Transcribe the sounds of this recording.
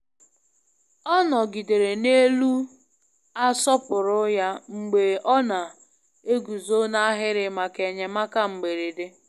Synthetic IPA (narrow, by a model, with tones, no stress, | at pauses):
ɔ˦nɔ˨ɡi˨de˨ɾe˨ne˦lu˦ | a˦sɔ˦pʊ˨ɾʊ˦ja˦ŋ͡m̩˨ɡ͡be˨ɔ˦na˨ | e˦ɡu˨zo˦na˦ɦɪ˦ɾɪ˨ma˨ke˨ɲe˨ma˦ka˦ŋ͡m̩˨ɡ͡be˨ɾi˨de˦